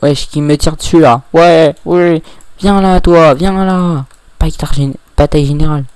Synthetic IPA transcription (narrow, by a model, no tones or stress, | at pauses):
wɛʃə̥kʲimət̪iʁd̪əsylawɛwivjɛ̃lat̪wavjɛ̃la | pat̪aʁʒeb̥at̪ajʒeneʁal